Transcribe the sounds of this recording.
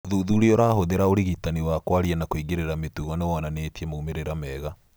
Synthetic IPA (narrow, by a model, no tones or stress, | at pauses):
ðuðuɾeoɾaːhoðeɾaoɾiɣitaniwakwaɾianakoiɣɡeɾeɾametuɣɔnewɔnaneːtiemoumeɾeɾamɛɣa